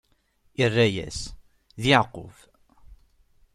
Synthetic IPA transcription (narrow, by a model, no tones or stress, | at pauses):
irːæjæ̰s | ðiʕqːʊ̰f